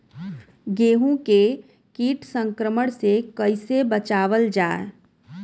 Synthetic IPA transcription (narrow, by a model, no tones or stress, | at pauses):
ɡeːɦũke | kiːʈsə̃ŋkɾəməɽ̃sekəɪsebət͡ʃaːʋəld͡ʒaːe